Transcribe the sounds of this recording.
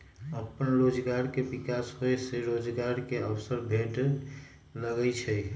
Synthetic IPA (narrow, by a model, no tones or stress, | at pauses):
əpənɾod͡ʒɡaɾkebikasɦojseɾod͡ʒɡaɾkeəbsəɾbʱeʈ | ləɡɛt͡ʃʰɛj